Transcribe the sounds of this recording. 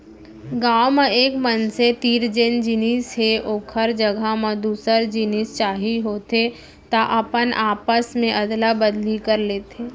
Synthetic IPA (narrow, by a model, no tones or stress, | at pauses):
ɡaːwmeeːkmənset̪iːɾd͡ʒɪnd͡ʒinisɦeʔoːkʰəɾd͡ʒəɡʱamad̪uːsəɾd͡ʒiniːst͡ʃaːɦiɦoːt̪e | t̪aʔɐpənʔaːpəsmẽʔɐd̪labəd̪likɐɾleːt̪ʰeː